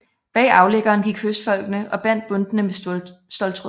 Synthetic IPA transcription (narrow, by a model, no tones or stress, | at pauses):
b̥ɛ̰ːɑ̈ʊleɡ̥ɐːnɡ̥iɡ̥høsd̥fɒ̽l̰ɡ̥nəʔɒ̽b̥æn̰d̥̚b̥ɔ̽nd̥ənəmesd̥ɒ̽lt͡sʰʁo